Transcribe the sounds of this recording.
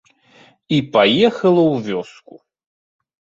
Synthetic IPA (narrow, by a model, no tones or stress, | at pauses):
ipajɛxɐlˠɐwvʲɔsku